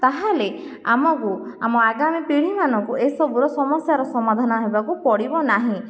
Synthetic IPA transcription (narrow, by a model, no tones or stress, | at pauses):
t̪aɦale | a̰mɔku | amɔaɡamipiɽ̤imanɔŋkuesɔbuɾɔsɔmɔsjaɾɔsɔmad̪ʱanɔɦebakupɔɽibɔnaɦĩ